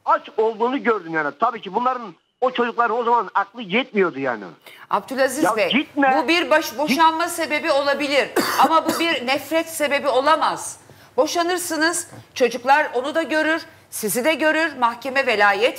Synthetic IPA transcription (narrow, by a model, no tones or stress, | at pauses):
at͡ʃo̞lˠd̪uːnuɟøɾd̪ymjaːnɪt̪ʰabiːcʰibunlˠaɾɯn | ot͡ʃʰo̞d͡ʒuklˠaɾɯno̞zamanaklˠɯjɛt̪̚mijo̞d̪uja̰ːnɪ̰a̰b̚d̪ylʲˠazijavɛɟit̪̚mɛbubiɾbaʃbo̞ʃanmase̞be̞bio̞lˠabilʲiɾamabubiɾnɛfɾɛt̪se̞be̞bio̞lˠamaz̥ | bo̞ʃanɯɾsɯnɯz̥t͡ʃʰo̞d͡ʒuklˠaɾo̞nud̪aɟø̞ɾyɾ̥ | sizid̪ɛɟø̞ɾyɾmahcʰe̞mɛvelʲaːjɛt̪